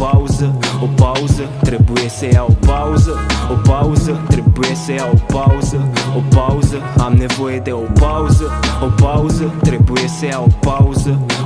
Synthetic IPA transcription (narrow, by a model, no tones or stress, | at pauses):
pawzɐopawzɐt̪ɾebuesejaopawzɐopawzɐt̪ɾebuɛseaopawzɐopawzɐamnevoed̪ɛopawzɐopawzɐt̪ɾebueseaopawzɐ